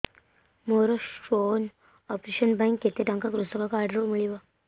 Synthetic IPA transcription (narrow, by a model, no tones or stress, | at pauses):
moɾoʈon | ɔpɾeɕənbaŋkːet̪eʈaŋkakɾust̪əkakaɾɖɾomiɭiʋa